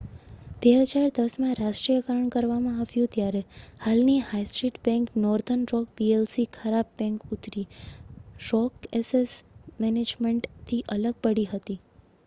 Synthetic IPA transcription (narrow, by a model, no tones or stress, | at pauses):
b̥eɦəd͡ʒaɾd̪əsmãɾaʃʈɾijəkəɾəɳkəɾʋamãaʋjũt̪jaɾehalnihajsʈɾiʈbɛ̃ŋknɔɾd̪ʱənɾɔkbielsikʰəɾab̚ːɛ̃ŋkut̪ɾi | ɾɔkesesmɛned͡ʒmeɳʈt̪ʰiʔələɡ̚pəɽiɦət̪i